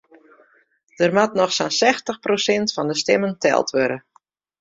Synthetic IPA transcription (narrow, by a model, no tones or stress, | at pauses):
d̥ərmatnɔxsansɛxtəxprosɪntfɑndəstɪməntʰɛ̰lˠtʋøɾə